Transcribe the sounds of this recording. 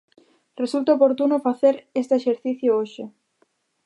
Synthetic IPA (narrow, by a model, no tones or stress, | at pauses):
result̪aopoɾt̪unofaθeɾest̪eeʃeɾθiθjooʃɪ